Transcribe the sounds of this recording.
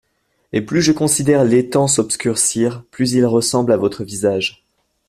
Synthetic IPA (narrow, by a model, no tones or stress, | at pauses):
eplyʒəkɔ̃sid̪ɛʁlet̪ɑ̃sɔbskʲyʁsiʁplyzilʁəsɑ̃blavɔt̪χəvizaʒ